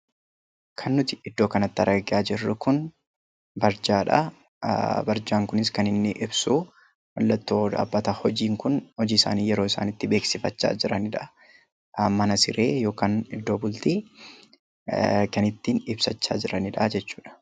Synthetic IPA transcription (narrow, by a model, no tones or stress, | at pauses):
kʰɐnːʊt̪ɪ̥ɪd̪ːo̞ːkɐnɐt̪ːɐ̰ɾɡɐɡɪʔaːd͡ʒɪrːʊkʊn | bɐɾd͡ʒaːᶑɐ̰ | bɐɾd͡ʒaːŋkʊnɪskɐnɪnːɪʔɪbsuː | wɐlːɐt̪ːoːᶑa̰ːbːɐt̪ɐhɔd͡ʒiːŋkʊnhɔd͡ʒiːsa̰ːniːjɛɾo̞ːɪsa̰ːnɪt̪ːɪbe̞ːksɪfɐt͡ʃːa̰ːd͡ʒɪɾɐnɪᶑɐ | mɐnɐsɪɾe̞̰ːjo̞ːkaːnɪd̪ːo̞ːbʊlt̪i | kɐnɪt̪ːinɪbsɐt͡ʃːa̰ːd͡ʒɪɾɐnɪᶑɐd͡ʒɛt͡ʃːu̥ːᶑɐ̥